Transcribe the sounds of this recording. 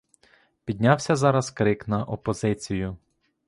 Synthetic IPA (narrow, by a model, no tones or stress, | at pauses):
pʲid̪̚ʲnʲɑwsʲɐzɑɾɐzkɾɪknɐʔɔpɔzɪt͡sʲijʊ